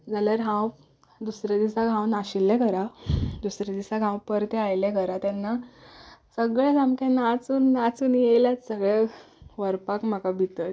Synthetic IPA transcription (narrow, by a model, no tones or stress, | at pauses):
d͡zaljaɾɦãw | d̪usɾed̪isaɡʱãwnaɕilːɛ̃kəɾad̪usɾed̪isaɡʱãwpəɾt̪ɛajlɛ̃kəɾat̪anːa | səɡɭɛd͡zãmkẽnat͡suːnːat͡suːnjelasəɡɭe | ʋəɾpakmakabʱit̪əɾ